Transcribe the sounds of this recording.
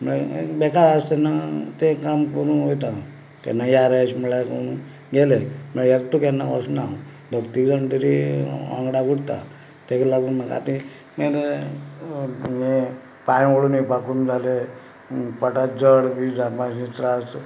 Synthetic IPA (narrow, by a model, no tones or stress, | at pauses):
mɭabɛkaɾast̪ɛnːat̪ekamkəɾuːnɦojt̪a | t̪ɛ̰nːajaɾəɕməlakənũ | ɡelem̤əɭjekʈ̪ukɛnːakɔsna | b̪ʱəkt̪ikd͡zəɳʈ̪əɾiã̰ŋɡɽaɡuɽt̪a̰ | t̪eklaɡuːnmaɡa̰t̪i | mele | je | pãjoɽunipakund͡zale | pəʈad͡zəɽbid͡zapasit͡sɾast̪